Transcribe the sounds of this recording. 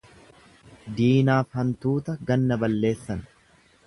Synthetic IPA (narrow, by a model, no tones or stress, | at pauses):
d̪iːnaːfhɐnt̪uːt̪ɐɡɐnːɐbɐlːe̞ːsːɐn